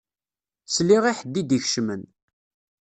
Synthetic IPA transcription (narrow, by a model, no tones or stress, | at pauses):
sliʁiħəd̪ːid̪içʃmən